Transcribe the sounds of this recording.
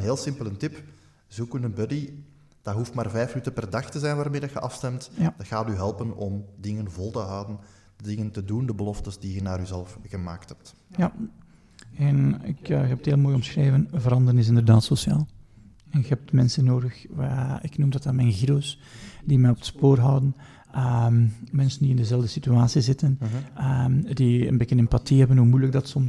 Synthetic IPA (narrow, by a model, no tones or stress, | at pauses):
nɦeːlˠsɪmpələntɪp | zukənənbœdi | d̥aɦuftmaːrvɛjfmənytənpɛrdɑxtəzɛjnʋaːrmeːdɑxəɑfstɛmtjad̥ɑxaːtyɦɛlˠpənɔmdɪŋənvɔlˠtəɦɑwdən | dədɪŋəntədundəbəlɔftəzdiənaːɾyzɛləfɣəma̰ːktɦɛp̚t | ja | ɛnɪ̰kːɦɛpətheːlˠmoːjɣɔmsxreːvənvəɾɑndəɾənɪs̬ɪndərdaːtsɔsjaːlˠ | ɛnɣəɛp̚tmɛnsənːoːdəxaɪknumdɑtaːmɛjnɣidows | dimɛjɔpətspoːrɦʌwdən | ʔəmmɛnsəndiɪndəzɛlˠvdəsityaːsizɪtənəmdiə̰nbekənɛmpatiɦɛbənɦumujləɡ̚dɑtsɔm